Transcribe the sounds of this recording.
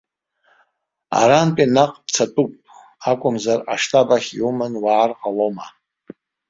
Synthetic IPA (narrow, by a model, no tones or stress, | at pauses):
a̰ɾanpʼinaqʼpt͡sʰatʼupʼ | akʷʼʊmzaraʂtʰʼabaχʲjumɨnwaːrqʼaloma